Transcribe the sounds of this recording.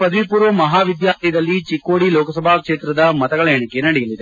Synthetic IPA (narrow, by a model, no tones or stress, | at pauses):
pɐd̪ɐʋipuːɾʋɐmɐɦaːʋid̪jaːɾt̪ʰijɐd̪ɐlːit͡ʃikːoːɽiloːkɐsɐbʱaːkʂeːt̪ɾɐd̪ɐmɐt̪ɐɡɐɭɐjɐɳike̞nɐɽɛjɐlːid̪e̞